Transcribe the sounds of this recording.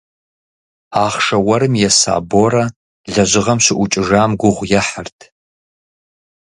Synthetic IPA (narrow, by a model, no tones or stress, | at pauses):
aːχʂɐwɐɾɨmjɛsa̰ːboːɾɐ | ɮɐʒɪʁɐmɕɪʔʷʊt͡ʃʼɪʒaːmɡʷʊʁʷjɛħərtʰ